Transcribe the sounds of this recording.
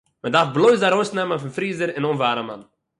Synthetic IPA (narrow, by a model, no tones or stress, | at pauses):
mədaɾfblˠoɪzdaɾoɪsnɛmənfɪnfɾiːzəɾɪnonvaːɾəma̰n